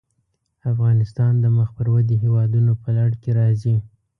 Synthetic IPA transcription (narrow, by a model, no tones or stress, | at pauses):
afɣɑnɪst̪ɑnd̪əməxpəɾwad̪iɦewɑd̪unopəlaɽkeɾɑzi